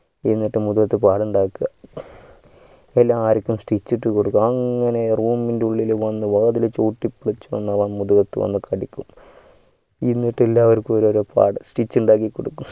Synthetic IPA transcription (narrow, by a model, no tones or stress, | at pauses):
inːiʈːɨmuðuɣɐt̪ːɨpaːɽuɳɖaːkːɨɣɐ | elːaːaːɾikʲːumsʈit͡ɕːiʈːɨkoɽukːumɐŋːɐne̞ruːmindeuɭːilʋɐnːɨʋɐɣɐðilt͡ɕoːʈːipːiɭit͡ɕːuʋɐ̰nːɐʋaːɳmuðuɣɐt̪ːɨ̰ʋɐ̰nːɨkʰɐɽikʲːum | inːiʈːelːaːʋɐɾkoːɾoɾupa̰ːɽɨsʈit͡ɕːuɳɖaːk̬ːikːoɽukːum